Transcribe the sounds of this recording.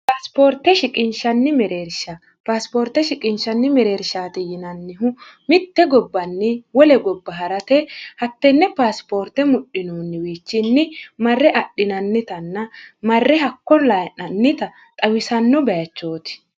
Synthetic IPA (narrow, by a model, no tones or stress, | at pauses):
paːspoːɾt̪ɛʃɪkʼɪnʃɐnːɪmɛɾeːɾʃɐ | paːspoːɾt̪ːɛʃɪkʼɪnʃɐnːɪmɛɾe̞ːɾʃaːt̪ɛjɪnɐnːɪɦʊ | mɪt̪ːɛɡɔbːɐnːɪwɔlɛɡɔbːɐɦɐɾɐt̪ɛhɐt̪ːɛnːɛpaːspo̞ːɾt̪ːɛmʊɗːɪnoːnːɪwiːt͡ʃːɪnːɪmɐrːɛʔɐɗːɪnɐnːɪt̪ɐnːɐmɐrːɛhɐkːɔlɐnɐnːɪt̪ɐ | t̪ʼɐwɪsɐnːɔbɐjɐt͡ʃːo̞ːt̪ɪ̥